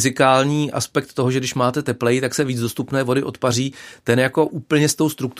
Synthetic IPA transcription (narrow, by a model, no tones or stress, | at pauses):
zɪkaːlɲiːʔa̰spɛk̚t̪ːoɦoʒɛɡdɪʃmaːt̪ɛt̪ɛplɛjɪt̪aksɛviːd͡zdo̞st̪upnɛːvo̞dɪʔo̞t̪pariːt̪ɛnjako̞ʔuːpl̩ɲɛst̪o̞wst̪ɾuk̚t̪